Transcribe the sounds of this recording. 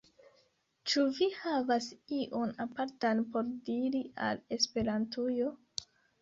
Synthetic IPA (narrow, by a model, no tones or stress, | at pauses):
t͡ʃuvihavasiʔonapaɾtanpo̞ɾdiɾia̰le̞spe̞ɾantujo̞